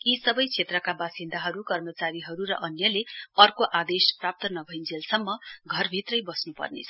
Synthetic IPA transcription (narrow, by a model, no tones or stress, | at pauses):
isʌbʌjt͡sʰet̪rʌkabasind̪ʱaɦʌɾukʌrmʌt͡saɾiɦʌɾuɾʌ̰ʔʌnjʌleʌrkoʔad̪esprap̚t̪ʌnʌbʱʌjnd͡zelsʌmːʌɡʱʌrbʱit̪rʌjbʌsnupʌ̰rnḛt͡sʰʌ